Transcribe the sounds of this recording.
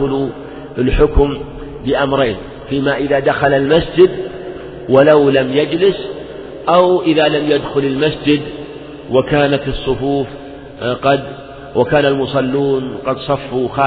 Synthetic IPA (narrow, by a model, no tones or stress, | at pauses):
ʊlu | ɪlħʊkm | bɪʔamɾˤeːn | fiːmaʔɪðad̪axalalmasd͡ʒɪd̪ | walawlamjad͡ʒlɪs | ʔawʔɪðalamjad̪xʊlɪlmasd͡ʒɪd̪ | wakaːnat̪ɨsˤːʊfuːf | qɑd̪ | wʔakaːnalmʊsˤɑlːuːnqɑd̪sˤɑfːuxaː